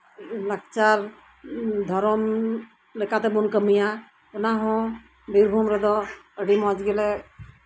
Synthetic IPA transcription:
lək̚t͡ʃaɾ | d̪ʱɔɾɔm | lekãt̪ɛbunkəmija | ɔnaɦɔ̃ | biɾbʱumɾɛd̪ɔəɖimɔ̃d͡ʒɡɛlɛ

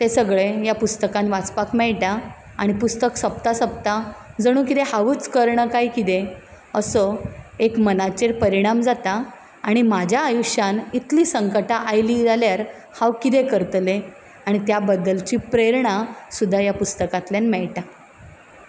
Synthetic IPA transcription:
t̪esəɡɭejapust̪əkãnʋat͡spakmɛɭʈa | aɽ̃ipust̪əksəp̚t̪asəp̚t̪ad͡zəɽ̃ũːkit̪ehaʋuːt͡skəɾɳəkaikit̪e | əsəekmənat͡ɕeɾpəɾiɽ̃amd͡zat̪aː | ɽ̃imad͡ʑʱjaːjuɕjanit̪liːsəŋkəʈaʔajliːd͡zaljaɾ | hawkit̪̬ekəɾt̪le | aɽ̃it̪jabəd̪ːəlt͡ɕiːpɾeɾɳasud̪ʱːajapust̪əkat̪ljanmɛɭʈa

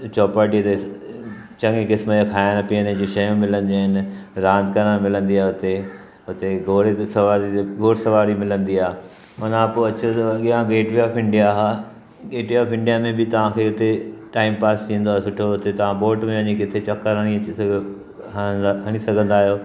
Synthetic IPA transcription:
t͡ɕɔːpaːʈit̪e | t͡ɕɐ̃ŋɡekɪsmokʰaːɪñpiənẽd͡ʑõʃɐjũmɪlə̃nd̪iaːɦɪnɪ̆ɾãːnd̪ʱkɐɾəɽ̃mɪlə̃nd̪iaːɦeʊt̪e | ɦʊt̪eɡoːɽsɐʋaːɾiɡoːɽsɐʋaːɾimɪlə̃nd̪iaːɦe | mɐnãpoɐt͡ɕoɠijãɡeːʈʋiaːfʰɪ̃ɳɖijaɦaː | ɡeːʈʋiaːpʰɪ̃ɳɖijamẽbɪt̪ɐʋ̤ãkʰeːʊt̪eʈaːɪmpaːst̪ʰĩːnd̪oaːɦesʊʈʰoɦʊt̪et̪ɐʋ̤ãboːʈmẽʋɐɲikɪt̪ʰet͡ɕɐkːəɾɦəɽ̃i | ɦɐɽ̃isɐɡʱə̃nd̪aːɦijoː

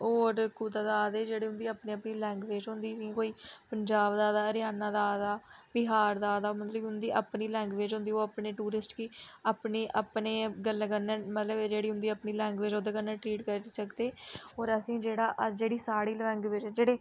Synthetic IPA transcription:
oːɾkuːd̪aːd̪aːaːd̪eːd͡ʒeːɽiːɦʊ̃nd̪iːapnẽːəpniːlɛ̃ːŋɡʋeːd͡ʒɦʊ̃nd̪iːĩkoːiːpəɲd͡ʒaːbd̪aːd̪aːɾjaːnãːd̪aːd̪aːbɪɦaːɾd̪aːd̪aːmət̪ləbɦʊ̃nd̪iːʔəpniːlɛ̃ːŋɡʋeːd͡ʒɦʊ̃nd̪iːoːapneːʈuːɾɪsʈkiːapneːʔapneːɡəlːkənːeːmət̪ləbɛd͡ʒeːɽiːɦʊ̃nd̪iːəpniːlɛ̃ːŋɡʋeːd͡ʒoːd̪aːkənːɛ̃ːʈɾiːʈkəɾsəkd̪eːɔːɾəsĩːd͡ʒeːɽaːʔd͡ʒeːɽiːsaːɽiːlɛ̃ːŋɡʋeːd͡ʒɛːd͡ʒeːɽeː

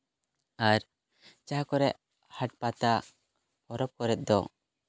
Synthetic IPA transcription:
aɾ | t͡ʃaɦakɔɾɛʔ | haʈ̚pat̪a | ɔɾɔp̚kɔɾɛt̪̚ˀd̪ɔ

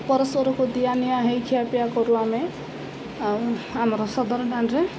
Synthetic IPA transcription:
pɔɾʌswɔɾɔkod̪ijanijaɦejkʰijapijakɔɾuame | amɾɔsɔd̪ɔɾɖʱanɾe

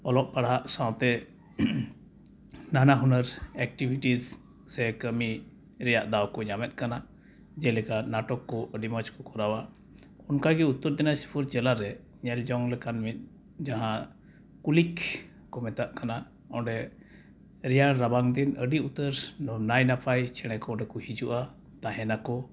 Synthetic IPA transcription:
ɔlɔʔpaɽaʔsãw̃t̪ɛ | nanaɦunəɾɛk̚ʈibʱiʈiz | sɛkəmi | ɾɛjaʔd̪awkɔɲamɛt̪̚ˀkana | d͡ʒɛlɛkanaʈɔkːɔʔəɖimat͡ʃkɔkɔɾawa | ɔnkaɡɛut̪ːəɾd̪inasi̥pʰuɾd͡ʒɛlaɾɛ | ɲɛld͡ʒɔŋlɛkanmit̪̚ˀ | d͡ʒaɦã | kulik | kɔmɛt̪aʔkana | ɔ̃ɖɛ | ɾɛjaɾabaŋd̪inəɖiut̪əɾnɔnajnapʰajt͡ʃʰɛɽ̃ɛkɔɔ̃ɖɛkɔhid͡ʒuʔa | t̪aɦɛnakɔ

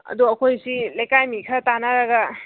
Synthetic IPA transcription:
ɐ̰duɐkʰojsilajkajmikʰatanaɾaɡɐ

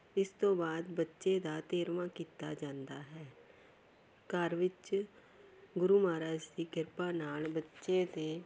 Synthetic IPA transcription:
ɪst̪õːbaːd̪bətːʃeːd̪aːt̪eːɾʋãːkiːt̪aːd͡ʒãːnd̪aːɦɛː | kəɾʋɪt͡ʃ | ɡʊɾuːmaːɾaːd͡ʒd̪iːkɪɾpãːnaːlbətːʃeːt̪eː

